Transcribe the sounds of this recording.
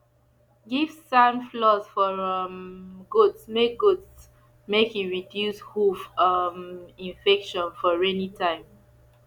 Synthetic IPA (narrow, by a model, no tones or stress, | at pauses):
ɡivsãmflɔsfɔɹʌmɡudsmeɡuds | mekiɹidjushufʌmĩnfɛkʃɔ̃nfɔɹɛnitʰãɪ̃m